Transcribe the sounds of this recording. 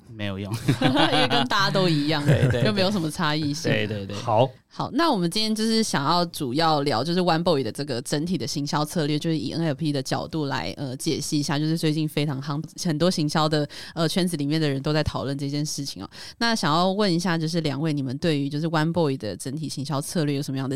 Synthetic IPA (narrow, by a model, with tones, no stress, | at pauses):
me˧˥ɪjo˨˩jʊ˥˩ŋ˥˩ | kə˥nt̪a˥˩t͡ɕa˥t̪o˥ʊi˧˥jɑ˥˩ŋe˥˧˥o˥˩me˧˥ɪjo˧˩ʊʂə˧˦mə˧t͡sʰa˥i˥˩ɕi˥˩˥t̪we˥˧ɪt̪we˥˩ɑ˨˩˦ʊ | xɑ˨˩˦ʊna˥˩wɔ˨˩mə˦nt͡ɕi˥njɛ˥t͡ɕo˥˧ʊʂɻ̩˥˩ɕjɑ˨˩ŋjɑ˥˩ʊʈ͡ʂu˨˩jɑ˥˩ʊljɑ˧˥ʊt͡ɕjo˥˧ʊʂɻ̩˥˩˧wa˥npo˥˧ʊi˨˩d̪ə˩ʈ͡ʂɤ˥˩ɡə˩ʈ͡ʂə˧˥nt̪ʰi˨˩d̪ə˦ɕi˧˥ŋɕjɑ˥ʊt͡sʰɤ˥˧lɥɛ˥˧˩t͡ɕjo˥˧ʊʂɻ̩˥˩ḭ˨˩ʔə˥nɛ˧˥˩pʰi˥d̪ə˨t͡ɕjɑ˨˩ʊt̪u˥˩la̰˧˥ɪʔə˧t͡ɕjɛ˨˩ʂɻ̩˥˩i˧˥ɕja˥˧t͡ɕjo˥˧ʊʂɻ̩˥˧˩t͡swe˥˧ɪt͡ɕi˥˩nfe˥ɪʈ͡ʂʰɑ˧˥ŋxɑ˥ŋxə˨˩nt̪wɔ˥ɕi˧˥ŋɕjɑ˥ʊd̪ə˨ə˧t͡ɕʰɥɛ˥nt͡sɹ̩˧˥li˨˩mjɛ˥˩nd̪ə˩ɻə˧˦nt̪o˥ʊt͡sa˥˩ɪt̪ʰɑ˨˩ʊwə˥˧nʈ͡ʂɤ˥˧t͡ɕjɛ˥˧nʂɻ̩˥˩t͡ɕʰi˨˩ŋɐ̰˩ | na˥˨ɕjɑ˨˩ŋjɑ˥˧ʊwə˥˩ni˧˥ɕja˥˧t͡ɕjo˥˧ʊʂ̬ɻ̩˥˩ljɑ̰˨˩ŋwe˥˩ɪni˨˩mə˨˦nt̪we˥˩ɪy˧˥t͡ɕjo˥˧ʂɻ̩˥˩˧wa˥npo˥˧i˨˩d̪ə̰˩ʈ͡ʂə˧˥nt̪ʰi˨˩ɕi˧˥ŋɕjɑ˥ʊt͡sʰɤ˥˧lɥɛ˥˩jo˨˩ʊʂə˧˥mə˧jɑ˥˩d̪ə˩